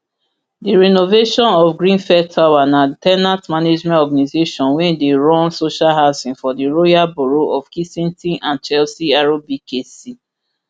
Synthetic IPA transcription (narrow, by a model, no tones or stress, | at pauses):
diɹɛnoveʃɔ̃nɔfɡɹĩnfɛtʰːawanatɛnatmaned͡ʒmɛ̃ntɔɡanizeʃɔ̃nwɛ̃ndeɹɔ̃nsoʃalɦaʊsĩnfɔdiɹojabuɹoʔɔfkisĩntĩʔãnt͡ʃɛlsiaɹobikesi